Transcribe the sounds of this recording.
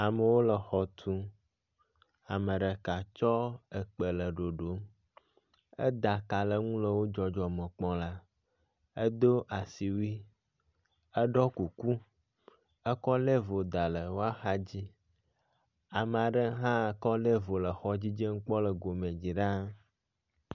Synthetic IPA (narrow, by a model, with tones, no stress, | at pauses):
a˨mə˨wo˦lə˨xɔ˨t̪ʰu˦ | a˨mə̃˨ɖə˨ka˨t͡ʃɔ˦ə˨k͡pə˨lə˨ɖo˨ɖo˨˦ | ə̰˦d̪a˨ka˨lə˦ŋũ˦lə˨wo˦d͡ʒɔ˨d͡ʒɔ˨mə̃˨k͡pɔ̃˦la˦ | e˦d̪o˦ʔa˨si˨wi˦ | ə˦ɖɔ˦ku˨ku˦ | ə˦kɔ˦le˦vo˨d̪a˨lə˨wo˦a˦xa˦d͡ʑi˦ | a˨mə̃˨a˨ɖə˦ɦã˦˨kɔ˦le˦vo˨lə˨xɔ˦d͡ʑi˦d͡ʒe˦ŋ̩˦k͡pɔ˦lə˨ɡo˨mẽ˨d͡ʑi˨ɖa˦